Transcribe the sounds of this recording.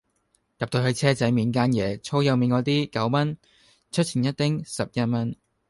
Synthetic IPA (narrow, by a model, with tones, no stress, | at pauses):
kɐ˨p̚t̪o˧ɦɵ˨˧ɥt͡sʰɛː˥t͡sɐ˨˥jmiː˨˧nk̬aː˥njɛː˨˧t͡sʰo˥wjɐ˨˧wmiː˨˧nkɔː˨˧t̪iː˥kɐ˨˥wmɐ˥n | t͡ʃʰɵ˥t̚t͡sʰiː˨˩njɐ˥t̚t̪ɪ˥ŋsɐ˨p̚jɐ˥t̚mɐ˥n